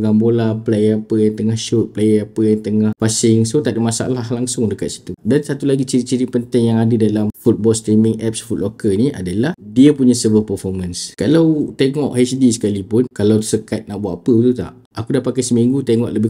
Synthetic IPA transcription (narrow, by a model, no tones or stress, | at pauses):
ɡambolaplejəpəjant̪əŋahʃʊt̪̚plejəpəjat̪əŋahpasɪŋsot̪aʔdəmasaa̰lalaŋsʊŋdəkat̪̚si̥t̪udansat̪ulaɡit͡ʃiɾit͡ʃiɾipənt̪ɛŋjaŋadədalamfut̪̚bɔlst̪ɾimɪŋʔɛp̚sfut̪̚lokəniʔa̰dalahdiəpuɲasəbəpəfɔrmanskalawt̪eŋɔʔhɛsdisə̥kalipʊnkalaw̪səkat̪̚naʔbuaʔapət̪ut̪a̰ʔ | akudapakajsəmiŋɡut̪eŋɔ̰ʔləbɪ